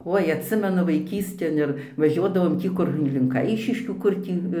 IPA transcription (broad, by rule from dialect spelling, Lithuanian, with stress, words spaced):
ˈoːɪ ɐtʲˈsʲɪmʲɛnʊ ʋɐɪˈkʲiːsʲtʲeːn ɪr ʋɐˈʒʲuɔdɐʋoːm ˈtʲiː kʊr lʲɪ lʲɪŋk ˈɐɪʃʲɪʃʲkʲuː ˈkʊr tʲiː